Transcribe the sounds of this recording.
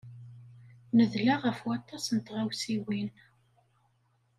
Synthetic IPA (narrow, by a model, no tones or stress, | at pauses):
nəðlaʁəfwat̪ːɑsənt̪ʁawsiwin